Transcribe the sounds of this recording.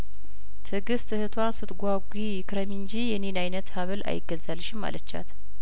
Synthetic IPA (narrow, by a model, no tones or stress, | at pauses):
t̪ʰɨɡɨst̪ʰɨhɨt̪ʰwansɨt̪ɡʷaɡʷijɪkʰɾəmɨɲd͡ʒijɛnenajnət̪haβɨlʔa̰jɪɡːəzalːɨʃɪmːa̰lət͡ʃːa̰t̪